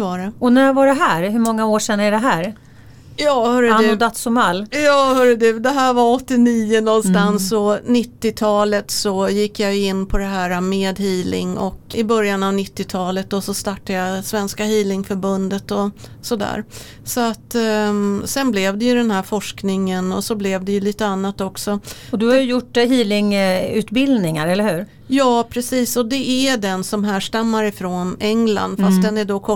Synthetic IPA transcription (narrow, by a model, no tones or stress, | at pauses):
vaɾɛɔnævaɖɛɦæːɾɦɵɾmɔŋːaoːʂɛnːɛɖɛɦæːɾ | jɑːhœːɖɵad̪at̪sʊmalːjɑːhœɖɵd̪ʉd̪ɛɦæːɾvaɾɔt̪ːɪniːʊnɔnst̪ansɔnɪt̪ːɪt̪ʰɑːlət̪sɔjɪkːjajɪnːpʰɔd̪ɛɦæːɾameːd̪hiːlɪ̰ŋɔkɪbœɾjanavnɪt̪ːɪt̪ʰɑːlət̪̚d̪ɔsɔst̪ɑʈːajasvɛnskahiːlɪŋfœɾbɵnd̪ət̪ɔsɔd̪æ̰ːɾ | sɔat̪ː | sɛnblɛvd̪ɛjɵd̪ɛnɦæːɾfɔʂknɪŋənɔsɔblɛvd̪ɛjɵliːt̪əanːat̪ɔksɔɔd̪ɵhajɵjʊʈːhiːlɪŋʉːt̪bɪld̪nɪŋaɾɛlːəhʉ̟ːɾ | jɑːpʰɾɛsiːsɔd̪ɛæɖɛnsɔmɦæːʂʈamːaɾɪfɾoːnɛŋla̰nd̪fast̪̚d̪ɛnæɖoːkʰɔ